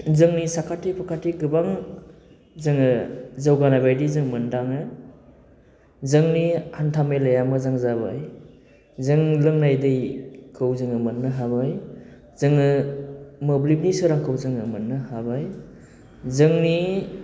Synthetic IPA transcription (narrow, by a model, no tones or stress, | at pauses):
zɯŋnisakʰatipʰakʰatiɡɯbaŋ | zɯŋɯzawɡanabajdizɯŋmɯndaŋɯ | zɯŋnihantʰamelajamɯzaŋzaba̰j | zɯŋlɯŋnajdɯjkʰɯwzɯŋɯmɯnːɯɦabaj | z̥ɯŋɯ | mɯblib̚nisɯɾaŋkʰɯwzɯŋɯmɯnːɯhabaj | zɯŋni